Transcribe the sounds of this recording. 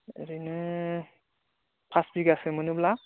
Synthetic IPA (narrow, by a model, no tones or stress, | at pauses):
ḛɾinɯ | pʰasbiɡasɯmɯnubla